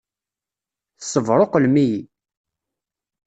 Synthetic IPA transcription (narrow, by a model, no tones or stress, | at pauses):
θsəvɾˤoqəlmiji